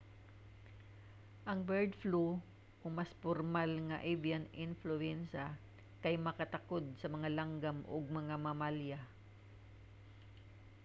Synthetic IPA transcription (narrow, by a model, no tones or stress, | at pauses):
ʔɐŋbɛɹd̪flu | kʊŋmaspoɾmalŋɐʔevianɪnflʊɛnsɐ | kɐjmɐkɐt̪ɐkod̪̚sɐmɐŋalaŋɡamʔo̰ɡ̚mɐŋamɐmalja